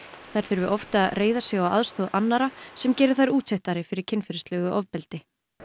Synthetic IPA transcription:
θajɾ̥θʏɾvʏʔɔft̪aðreːjðasjɛɣawa̰ðst̪oðanːaɾasɛmcɛːɾɪɾ̥θajɾuːt̪seht̪aɾɪfɪɾɪɾcʰɪnfɪɾɪst̪lɛɣʏʔɔvpɛlt̪ɪ

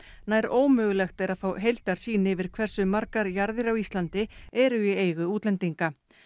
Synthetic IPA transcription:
naːjɾoːwmʏːɣʏlɛxt̪ejɾaðfaːwɦejlt̪aɾ̥siːnɪvɪɾ̥kʰvɛr̥sʏmaɾkaɾjaɾðɪɾawist̪lant̪ɪɛɾʏieːjɣʏuːt̪lɛnt̪iŋka

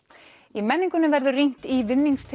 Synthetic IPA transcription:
imɛnːiŋkʏnɪvɛɾðʏrin̥t̪ivɪnːiŋkst̪ʰ

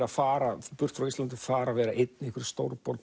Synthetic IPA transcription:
ɾafaːɾapʏr̥t̪fɾawist̪lant̪̬ɪfaːɾavɛːɾaʔejt̪nehkvʏɪɾ̥st̪owɾpɔɾt̪

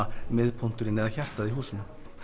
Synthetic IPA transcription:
amɪðpʰɔn̥t̪ʏɾɪnːɛðaçɛr̥t̪aðiɦuːsʏnʏ

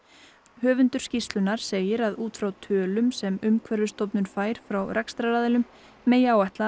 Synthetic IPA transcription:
hœːvʏnt̪ʏ̥scist̪lʏnaɾ̥seːjɪɾaðuːt̪fɾawt̪ʰœːlʏmsɛmʏmkʰvɛɾðʏst̪owpnʏnfaːjɾ̥fɾawɾɛkst̪ɾaɾaːðɛlʏmː | eːjaːwɛht̪la

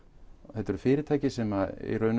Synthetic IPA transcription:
θɛt̪ːɛɾʏ̥fɪːɾɪt̪ʰaːjcɪsɛmaḭrœːɥn

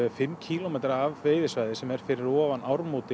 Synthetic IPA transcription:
fɪmːcʰiːlomeːjt̪ɾaːvveːjðɪsvajðɪsɛmɛɾ̥fɪɾɪɾɔːvanʔawɾmowt̪ɪ

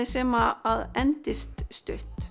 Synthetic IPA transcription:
ɪsɛːmaaðɛnt̪ɪst̪st̪ʏht̪

